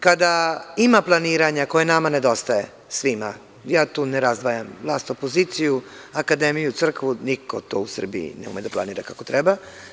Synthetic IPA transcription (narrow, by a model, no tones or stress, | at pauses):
kad̪aimaplˠaniːɾaɲakojenamaned̪o̞st̪aje̞ | sʋima̰ | jaːt̪uːneɾazd̪ʋajamvlˠaːst̪opoziːt̪sijuakad̪emijut̪sr̩kʋuniko̞t̪o̰ːusr̩bḭjḭneṵmed̪aplˠa̰niːɾakako̞t̪ɾɛba